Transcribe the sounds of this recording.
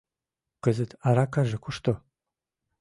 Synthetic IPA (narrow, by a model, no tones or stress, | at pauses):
qəzɨtʰaɾakʰaʒɐkʷʰʊʂtʰo